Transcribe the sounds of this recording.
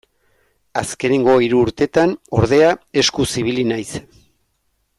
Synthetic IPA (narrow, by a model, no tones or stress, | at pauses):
aske̞ne̞ŋɡo̞iɾuːɾt̪e̞t̪ano̞ɾð̞e̞ae̞skusiβ̞ilinajs